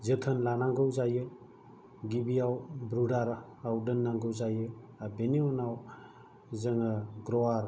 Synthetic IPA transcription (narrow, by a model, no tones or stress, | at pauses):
zɯtʰənlanaŋɡɯwzajɯ | ɡibijawbɾudaɾaawdɯnːaŋɡɯwzajɯ | abeniɔnaw | zəŋɯɡɾɔaɾ